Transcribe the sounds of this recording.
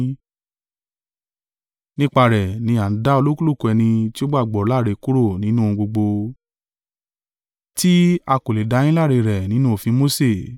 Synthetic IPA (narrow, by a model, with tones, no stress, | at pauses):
nĩ˦k͡pa˧ɾɛ˨nĩ˧˦a˨n̩˦da˦o˧lo˦ku˦lu˦˨ko˧ɛ˧nĩ˧ti˦o˦ɡ͡ba˦˨ɡ͡bɔ˨˦la˦˨ɾe˨˧˨ku˦ɾo˦˨nĩ˨˦nũ˦˧ɡ͡bo˧ɡ͡bo˧ | ti˦a˧ko˨le˨da˨˧˦j̃ĩ˦la˦˨ɾe˧ɾɛ˨nĩ˦nũ˦o˨fĩ˧˦mo˦se˦˨